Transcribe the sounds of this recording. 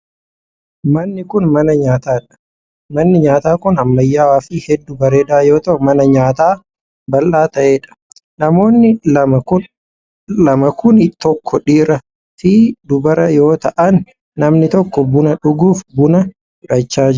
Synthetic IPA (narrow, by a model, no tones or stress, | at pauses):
mɐnːɪkʊnmɐnɐɲaːt̪aːᶑɐ̥ | mɐnːɪɲaːt̪aːkʊnɐmːɐjːaːwaːfɪhɛd̪ːʊbɐɾeːd̪aːjo̞ːt̪ɐʔʊmɐnɐɲaːt̪aː | bɐlːaːt̪ɐʔeːᶑɐ̥ | nɐmo̞ːnːɪmʊ | lɐmɐkʰʊnɪt̪ɔkʰːɔᶑiːɾɐ | fiːd̪ʊbɐɾɐjo̞ːt̪ɐʔɐnː | ɐmnɪt̪ɔkːɔbʊnɐᶑʊɡuːfbʊnɐ | ɪɾɐt͡ʃːaːd͡ʒ